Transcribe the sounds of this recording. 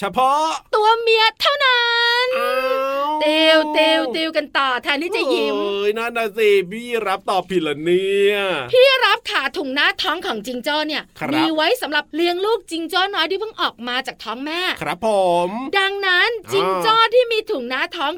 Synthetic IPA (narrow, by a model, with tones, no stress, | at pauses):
t͡ɕʰa˧pʰɔ˦˥t̪u˧ɐmi˧˥ət̪ʰːaː˦˥˩wna˦˥nː˧ | t̪i˧wt̪i˧wt̪iː˧wka˧nt̪ɔː˨˩t̪ʰɛː˧nt̪ʰiː˥˩t͡ɕa˨˩ji˧mjna˦˥˩na˧˥si˧˩biː˥˩ɾa˦˥p̚t̪ɔː˨˩pʰːi˨˩la˨˩niː˦˥pʰiː˥˩ɾa˦˥p̚kʰaː˨˩˦t̪ʰu˨˩˦ŋnaː˦˥t̪ʰɔː˦˥ŋkʰɔː˩˦ŋt͡ɕi˧ŋt͡ɕɔː˥˩ni˥˩ɐmiː˦˧wa˦˥jsa˩˦mɾa˨˩p̚li˧əŋluː˥˩k̚t͡ɕi˧ŋt͡ɕɔː˥˩nɔː˦˥jt̪ʰiː˥˩pʰɯ˥˩ŋʔɔː˨˩k̚maː˧t͡ɕaː˨˩k̚t̪ʰɔː˦˥ŋmɛː˥˩kʰɾa˦pʰːo˨˩˦mda˧ŋna˦˥nt͡ɕi˧ŋt͡ɕɔː˥˩t̪ʰiː˥˩miː˧t̪ʰu˨˩˦ŋnaː˦˥t̪ʰɔː˦˥ŋ